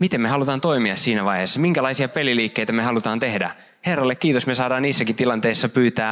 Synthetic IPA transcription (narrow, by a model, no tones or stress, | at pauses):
mit̪emmehɑlut̪ɑːnt̪o̞imiɑssiːnæʋɑjheːsːɑmiŋkælɑjsiɑpeliliːkːejt̪æmehɑlut̪ɑːnt̪ehdæ̰ | herːɑlːekːiːt̪osmesɑːdɑːniːsːækit̪ilɑnt̪eisːɑpyːt̪æː